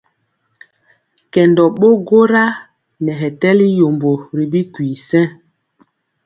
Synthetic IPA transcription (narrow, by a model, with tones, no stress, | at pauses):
kɛ˨ndɔ˨ɓo˦ɡo˦ɾa˦ | nɛ˨ɦɛ˨tɛ˦li˦jo˨mbo˨ɾi˨bi˦kwi˨sɛ̃˦